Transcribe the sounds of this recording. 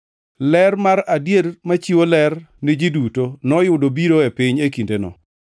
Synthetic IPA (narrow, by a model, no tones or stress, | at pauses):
lɛrmaɾadjeɾmat͡ʃiwolɛrnɪd͡ʒidutonɔjʊdobiɾoepɪɲekindenɔ̰